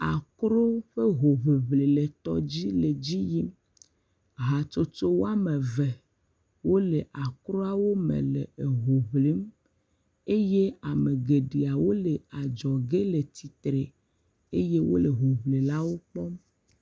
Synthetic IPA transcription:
a˨kɾo˦ɸe˦ɦo˨βe˨βle˨le˨t̪ɔ̰˦d͡ʑi˦le˨d͡ʑi˦ji˦m | ɦa˨t͡ʃo˦t͡ʃo˦wo˦a˦me˨vɛ˨ | wo˦le˨ʔa˨kɾo˦a˨wo˦mḛ̃˨le˨e˨ɦo˨βle˦m | e˦je˦a˨me˨ɡe˨ɖi˨a˨wo˦le˨a˨d͡ʒɔ˨ɡe˦le˨t̪i˨t̪ɾe˨ | e˦je˦wo̰˦le˨ɦo˨βle˨la˦wo˦k͡pɔ˦m

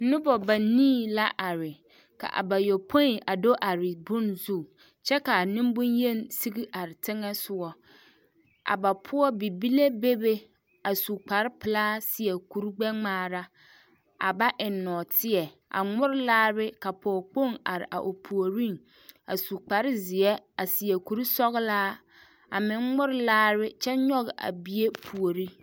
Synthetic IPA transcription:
nʊ˦bɔ˨ba˨nĩː˦la˦ʔa˨ɾɪ˨ | ka̰˨ʔa̰˨ba˨jo˨pʰo˦i˨ʔa˨do˦ʔa˨ɾɪ˨bʊ̃˦nzu˦˨ | t͡ʃɛ˦ka˨a˨nɪ̃˦m˦bʊ̃˦nje˦˨n˦si˦ɡi˦ʔa˨ɾɪ˨tʰɪ˦ŋɛ˦sʊ˨ɔ˦ | ʔa̰˨ba˨pʰʊ˦ɔ˦bi˨bi˦le˦be˦be˦ | a˨su˨k͡pa˨ɾɪ˦pɪ˨laː˦sɪ˦ɛ˨ku˨ɾɡ͡bɛ˦ŋ͡maː˦ɾa˦ | a̰˨ba˦ʔɪ˨nːɔ˨tʰɪ˦ɛ˨ | a̰˨ŋ͡mʊ˦ɾɪ˦laː˦bɪ˦ka˨pʰɔː˨k͡po˦˨ŋa̰˨ɾɪ̰˨ʔa̰˨ʔo˨pʰu˨o˨ɾi˦ŋ | a˨su˨k͡pa˨ɾɪ˦zɪ˨ɛ˦a˨sɪ˨e˨ku˨ɾi˦sɔ˦ɣɪ˦laː˦ | a˨mɪ˨ŋŋ͡mʊ˦ɾɪ˦laː˦bɪ˦t͡ʃɛ˦ɲɔ˦ɣɪ˨ʔa̰˨bi˦e˦pʰu˨o˨ɾi˦

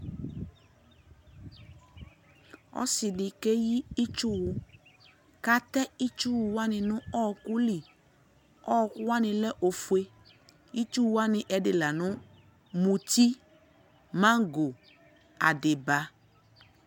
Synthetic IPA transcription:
ɔ̰˦sɪ˨ɖɪ˨ke˦ji˦i˦t͡ʃu˦wʊ˦ | ka˦t̪ɛ˦i˦t͡ʃu˦wu˨wa˦nɪ̃˨nʊ̃˦ɔ˦˨ku˦li˨ | ɔ˦˨kʊ˦wa˦nɪ̃˨lɛ˦ʔo˨fu˨e˦ | i˦t͡ʃu˦wu˦a˦nɪ̃˨ʔɛ˨ɖɪ˨la˨nʊ̃˦ | mũ˨t̪i˦ | mã˦ɡo˨ | a˨dɪ˨ba˨

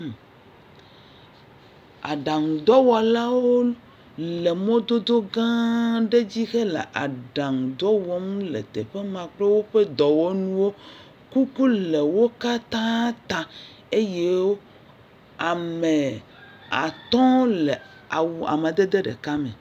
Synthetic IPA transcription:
a̰˨ɖa˨ŋu˨d̪ɔ˦wɔ˨la˦wo˦ | le˨mõ˦d̪o˦d̪o˦ɡã˦ɖe˦d͡ʑi˦xe˦lḛ˨ʔa˨ɖa˨ŋu˨d̪ɔ˦wɔ˦m˦lḛ˨t̪ḛ˨ɸe˦mã˨k͡ple˦wo˦ɸe˦d̪ɔ˨wɔ˦nũ˦wo˦ | ku˦ku˦le˨wo˦ka˦t̪ã˦t̪ã˨ | e˦je˦wo˦ | a˨me˨ | a̰˨t̪ɔ̃˦le˨ | a˨wu˨a̰˨ma˨d̪e˦d̪e˦ɖḛ˨ka˦mḛ˨

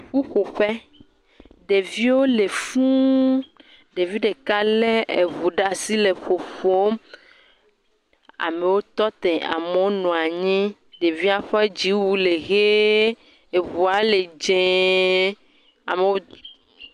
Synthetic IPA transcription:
ɸu˦ɸo˨ɸɛ˦ | ɖe˨vi˦wo˦le˨fũ˦ | ɖe˨vi˦ɖe˨ka˦le˦ʔe˨βu˨ɖa˦si˦le˨ɸo˨ɸo˦ | a̰˨me˨wo˦t̪ɔ˦t̪ɛ̃˨ʔa̰˨me˨wo˦nɔ̃˨a˨ɲĩ˦ | ɖe˨vi˦a˦ɸɛ˦d͡ʑi˨˦wu˦le˨ɣe˦ | e˨βu˨a˨le˨d͡ʒẽ˦˨ | a˨me˨wo˦

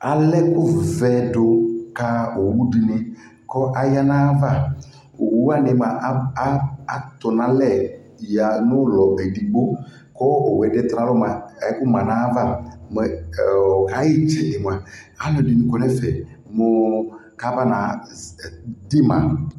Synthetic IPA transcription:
a˨lɛ˦kʊ˦vɛ˨dʊ˨ka˦o˨wu˦di˨nɪ˦ | kɔ˦ʔa˨ja˦nã˦va˦˨˦ | a˦˨nɪ˨m˨a˨ʔ | a˨t̪ʊ˨nã˨lɛ˦˨ | ja˨nʊ̃˦lɔ˨ʔe˨di˨ɡ͡bo˦ | kɔ˦o˨wɛ˨dɛ˦t̪ã˨˦lɔ˦mã˨˦kʊ˦mã˨nã˨˦va˦˨mɛ˨ɔ˨ka˨˦jɪ˦t͡ʃɛ˨nɪ˨m˨a˨ | a˨lɔ˨di˨nɪ̃˦kɔ˨nɛ˦fɛ˨ | mo˨ka˦va˦nã˨ | dɪ˦mã̰˨

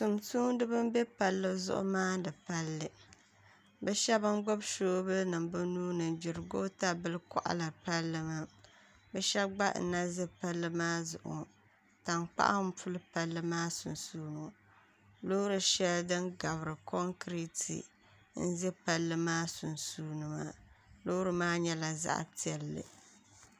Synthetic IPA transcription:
tu˨msuː˦n˦dɨ˦bɨ˦m˦be˦pa˨lːɨ˦zʊ̰˦ʔʊ̰˦maː˦dɨ˨pa˦lːɨ˨ | bɛ˦ʃɛ˦bɨ˦ŋɡ͡bo˦bʃoː˦bɨ˦nɨ˨mbɨ˦nuː˦nɨ˨nd͡ʒɪ˨ɾɨ˨ɡo˦ta˦bɨ˦lɨ˦kɔ̰˦˨ʔa̰˦la˨pa˦lːɨ˦ma˦ | bɛ˦ʃɛ˦bɡ͡ba˦ʔn̩˨na˦ze˦pa˦lːɨ˦maː˦zʊ̰˨ʔʊ̰˨ | ta˨mk͡pa̰˦ʔa̰˦m̩˦pʊ˦lɨ˦pa˦lːɨ˦maː˦su˨nsuː˦no˨ | lo˦ɾɨ˨ʃɛ˦ldɨ˦nɡa˨βɨ˨ɾɨ˨kɔ˦ŋkɾi˦tʰḭ˨ | n̩˦zɛ˦pa˦lːɨ˦maː˦su˨nsuː˦nɨ˨ma̰˨lo˦ɾɨ˨maː˦ɲɛ˦la˨za̰˦˨ʔa̰˨ti˦ɛ˨lːɨ̰˨

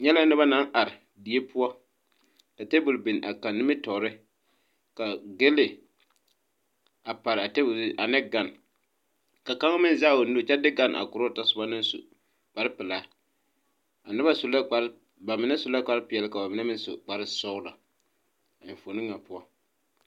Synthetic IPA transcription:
ɲɛ˦la˦nɨ˦ba˦na˦ŋʔa˨ɾɪ˨ | di˨e˦pʊ˦ɔ˦ | ka˨te˦bʊ˨lbɪ˨n˨ʔa̰˨ka˨nːɪ˦mɪ˦tɔ˨ɾɪ˦ | ka˨ɡe˦lɪ˨ | a˨pa˨ɾɪ˨a˨te˦bʊ˨lʔa˨nɛ˦ɡa˨n | ka˨ka˦ŋ˦mɪ˦nzaː˦˨wo˨no˦t͡ʃɛ˦dɪ˦ɡa˦˨nʔa̰˨kʊ˨ɾo˦ta˦sʊ˨˦a˦nɨ˦sʊ̰˨ | k͡pa˨ɾɪ˦pɪ˨laː˦ | a˨nɪ˦ba˦sʊ˨la˦k͡pa˨˦ | ba˨mɪ˨˦na˦sʊ˨la˦k͡pa˨˦ɾɪ˦pɪ˨jɛ˨lɪ˦ka˨ba˨mɪ˨na˦mɪ˦n˦sʊ̰˨k͡pa˨ɾɪ˦sɔ˦la̰˨ | ɪ˨fo˨nɨ˦ŋːa˨pʊ˦ɔ˦

